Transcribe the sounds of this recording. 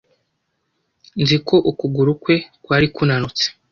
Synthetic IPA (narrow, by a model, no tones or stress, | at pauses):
nziko̞ʔukuɡuɾukwe̞kwaːɾikunanut͡se̥